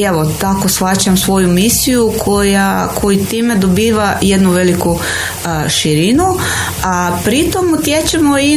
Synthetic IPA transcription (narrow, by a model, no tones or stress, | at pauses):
eʋot̪ako̞sfat͡ɕamsʋo̞jumisijukʰojakʰo̞jit̪iːme̞d̪obiːʋaje̞d̪nuʋe̞liku | ʃiɾinu | apɾit̪omut̪jet͡ɕemoi